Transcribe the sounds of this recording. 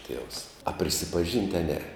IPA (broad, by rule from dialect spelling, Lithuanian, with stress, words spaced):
ˈtʲiɛws ɐ pʲrʲɪsʲɪpɐˈʒʲiːnʲtʲ ɐ ˈnʲɛ